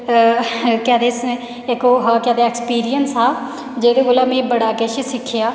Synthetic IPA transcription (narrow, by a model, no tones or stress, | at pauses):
kɛːd̪eːs | ɪkoːɦaːkɛːd̪eɛːkspiːɾijənsaː | d͡ʒeːd̪eːkoːlaːmẽːbəɽaːkeːʃsɪkʰːjaː